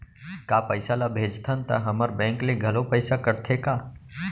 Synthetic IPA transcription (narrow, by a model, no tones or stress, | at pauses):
kaːpəɪsalabʱeːd͡ʒt̪ʰənt̪ɐ̰ɦɐməɾbɛ̃ːŋkleɡʱɐlopəɪsakəɾt̪ʰekaː